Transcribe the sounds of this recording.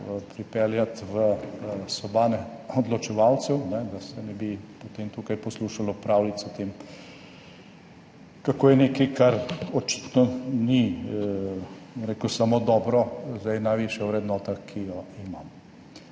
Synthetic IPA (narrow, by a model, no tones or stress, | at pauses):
pɾipɛljat̪ʋəsɔbaːnɛɔd̪lɔt͡ʃɛʋaw̪sɛwnɛd̪asɛnɛbipot̪eːmt̪uːkajpɔsluʃalɔpɾawlit̪sɔt̪em | kakoːjɛnekikaɾɔt͡ʃi̥t̪nɔni | ɔmɾeːkusamod̪ɔːbɾɔzd̪ajnajʋiːʃjaʊwɾɛd̪nɔːt̪akʰijɔimam